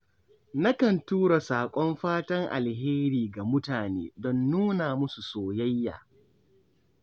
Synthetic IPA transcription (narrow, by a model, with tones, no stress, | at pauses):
na˦kɐ˨ntuː˦ɽa˨saː˨kʷʼɔ˦mɸaː˦tɐ˦ŋʔa̰˨lɦeː˦ɾiː˨ɡa˨mʊ˦taː˨nḛː˦dɔ˦nːuː˦naː˨mʊ˦su˨soː˨jɐ˦jːa̰ː˨